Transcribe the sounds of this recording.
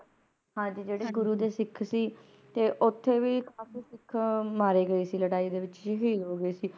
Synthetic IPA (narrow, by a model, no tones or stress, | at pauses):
hãːd͡ʒiːd͡ʒeːɽeːɡʊɾuːd̪eːsɪkʰsiː | t̪eːʔʊt̪ʰːeːʋiːkʰaːfiːsɪkʰmaːɾeːɡəiːsiːləɽaːiːd̪eːʋɪt͡ʃɦiːloːɡəeːsiː